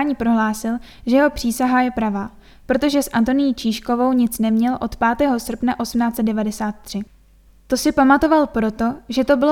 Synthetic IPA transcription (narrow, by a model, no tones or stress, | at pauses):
ɲiːpɾo̞ɦlaːsɪl | ʒɛjɛɦo̞pr̥iːsaɦajɛpɾavaː | pɾo̞t̪o̞ʒɛsʔant̪o̞nɪjit͡ʃiːʃko̞vo̞wɲɪt͡snɛmɲɛlʔo̞t̪paːt̪ɛːɦo̞sr̩pnaʔo̞sm̩naːt͡sɛd̪̚dɛvadɛsaːt̪ːr̝̥ɪ | t̪o̞sɪpamat̪o̞valpɾo̞t̪o̞ʒɛt̪o̞bɪl